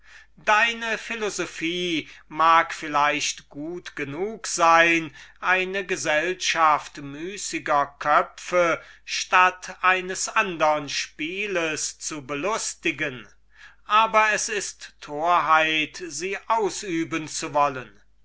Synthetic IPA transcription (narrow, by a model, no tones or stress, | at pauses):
daɪnəfɪlozofiːmaːkfɪlaɪʃtɡ̥uːtɡ̥ənuːkz̥aɪnʔaɪnəɡəzɛlʃaftmyːsɪɡɐkʰœfəʃtatʔaɪnəsʔandəʁənʃpiːləst͡subəlʊstɪɡən | ʔaːbɐɛsɪstʰːoːɐɦaɪtziːʔaʊsʔyːbənt͡suvɔlən